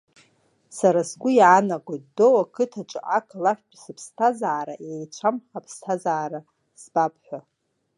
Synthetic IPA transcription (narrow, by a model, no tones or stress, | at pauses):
saɾasɡʷʊjanaɡʷatdowakʰɨtʰat͡ʃʷʼɨ̰ʔakʰʼlaħᶣpʷʼsɨpʰstʰazaːɾaʔejt͡ʃʷʰamχapʰstʰazaːɾa | sbapʰʼħʷa